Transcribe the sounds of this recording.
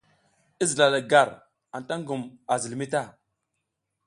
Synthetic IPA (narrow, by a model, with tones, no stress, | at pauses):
i˦zi˨la˨da˨ɡa˨ɾ | a˨n˨ta˦ŋɡu˨ma˨zi˨lmi˦ta˦˨